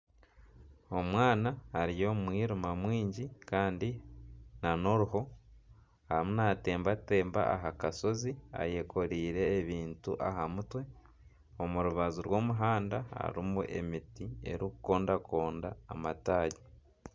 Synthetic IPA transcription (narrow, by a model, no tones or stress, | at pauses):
o̞mwaːnaːɾijo̞ːmwiːɾumamwiːɲɟikaːndinano̞ɾuɦo̞ | amunate̞ːmbate̞ːmba̰aɦakaso̞zia̰je̞kʰo̞ɾiːɾe̞ːβiːntṵʔaɦamutwe̞ | o̞muɾuβazuɾwo̞ːmuɦaːndaa̰ɾimuʔe̞̰mitie̞̰ɾukuko̞ːndakʰo̞ːnda̰ːmataːɟe